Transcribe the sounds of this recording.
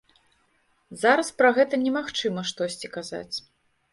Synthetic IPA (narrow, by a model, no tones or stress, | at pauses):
zaɾɐspɾɐɣɛt̪ɐnʲɛmaxt͡ʂɨmɐʂt̪ɔsʲt͡sʲikaza̰t͡sʲ